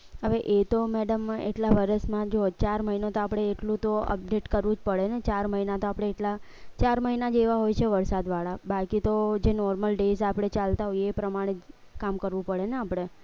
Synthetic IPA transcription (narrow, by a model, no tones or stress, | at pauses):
ɦəʋeʔet̪omɛɽəmḛʈlaʋəɾəsmãd͡ʒot͡ʃaɾməɦinot̪oapɽ̃eːʈlũt̪oə̰p̚ɖeʈkəɾʋũd͡ʒpəɭenet͡ʃaɾməɦinat̪oapɽ̃eːʈla | t͡ʃaɾməɦinad͡ʒeʋaɦojt͡ʃʰeʋəɾsad̪ʋaɭabakit̪od͡ʒenɔɾməlɖesapɽ̃et͡ʃalt̪aɦojepɾəmaɽ̃e | kamkəɾʋũpəɭeneapɽ̃e